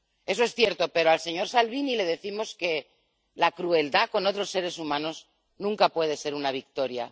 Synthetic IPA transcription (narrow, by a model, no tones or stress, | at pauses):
e̞soesθje̞ɾt̪o̞pe̞ɾoalse̞ɲo̞ɾsalβ̞inile̞ð̞e̞θimo̞ske̞ | lakɾue̞ld̪ako̞no̞t̪ɾo̞sːe̞ɾe̞sumãnoz | nũŋkapwe̞ð̞e̞se̞ɾunaβ̞ik̚t̪o̞ɾja̰